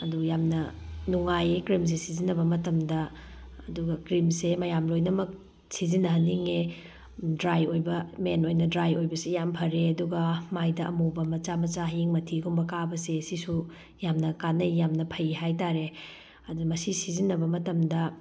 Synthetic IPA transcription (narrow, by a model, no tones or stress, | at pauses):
ɐdujamnɐnuŋajekɾims̬esizinːɐbɐmɐtɐmdɐ | ɐduɡɐkɾimsemɐjamlojnɐmɐk̚ | sizinɐɦɐnːiŋe | dɾajojbɐmenojnɐdɾajojbɐsejampʰɐɾeɐduɡɐmajdɐʔɐmubɐmɐt͡ʃamɐt͡ʃaɦiŋmɐtʰiɡumbɐkabɐsesisu | jamnɐkanɐjːamnɐpʰɐjiɦajtaɾe | ɐdumɐsisizinːɐbɐmɐtɐmdɐ